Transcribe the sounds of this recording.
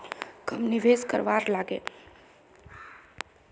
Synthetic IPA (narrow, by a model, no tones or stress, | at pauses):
kəmnɪʋeːskə̰ɾʋaːɾlaːɡḛː